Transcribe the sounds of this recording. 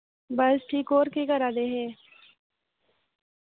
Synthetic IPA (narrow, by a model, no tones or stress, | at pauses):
bəsʈʰiːkoːɾkekəɾaːd̪eɦeː